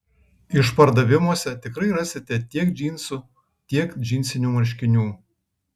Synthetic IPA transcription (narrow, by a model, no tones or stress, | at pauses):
ɪʃpɐɾd̪ɐʋʲɪmoɔsʲɛt̪ʲɪkɾɐɪɾɑsʲɪt̪ʲɛt̪ʲiɛkd͡ʒʲiːnʲsʊ | t̪ʲiɛkd͡ʒʲiːnʲsʲɪnʲuːmɐɾʲʃʲkʲɪnʲuː